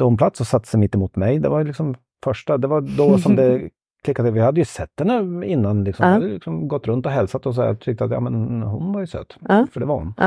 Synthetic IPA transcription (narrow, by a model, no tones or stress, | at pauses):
ʊnpʰlat̪sɔsat̪ːəsɛmɪt̪ːɪmuːt̪mɛjd̪ɛ̰vaɾjlɪksɔm | fœʂʈad̪ɛvaɾd̪ɔsɔmd̪ɛ | kʰlɪkːat̪əʋɪhad̪ːəjʊsɛt̪ːhɛnːəɪnːanlɪksɔmad̪jlɪksɔmɡɔt̪ːɾɵnt̪ɔɦɛlsat̪ɔs̬ɔa̰t̪ʰʏk̚t̪əat̪ja̰ːmɛnhʊnvaɾjʊsø̰ːt̪ːfœɖɛvaɾhʊ̰n